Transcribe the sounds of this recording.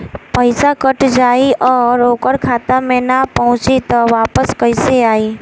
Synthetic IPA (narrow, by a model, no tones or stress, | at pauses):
pəɪsakəʈd͡ʒaːiʔɔːɾoːkəɾkʰaːt̪amẽnapəɦʊ̃t͡ʃit̪ɔʋaːpəskəɪseaːiː